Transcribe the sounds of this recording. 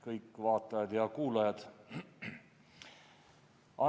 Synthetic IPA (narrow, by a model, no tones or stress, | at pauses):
kɤjkːˑvɑːt̪ˑɑjɑd̪̥jɑkuːlɑjɑd̪̥ | ʔɑ